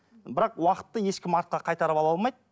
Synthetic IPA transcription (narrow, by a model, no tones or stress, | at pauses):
bɪɾɑqwɑqə̥t̪ːəje̞ʃkʲɪmɑɾt̪̚qɑqʰɑjt̪ɑɾəpɑlˠɑlˠmɑjd̪